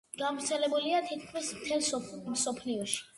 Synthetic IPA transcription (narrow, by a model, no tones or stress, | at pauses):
ɡ̥avɾt̪sʰɛlɛbuliat̪ʰit̪̚kʰmismt̪ʰɛlˠsmsɔpʰliɔʃi̥